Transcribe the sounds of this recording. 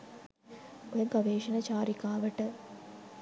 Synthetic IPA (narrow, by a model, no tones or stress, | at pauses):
ojɐŋkɐʋeːʃɐnɐt͡ʃaːɾikaːʋəʈə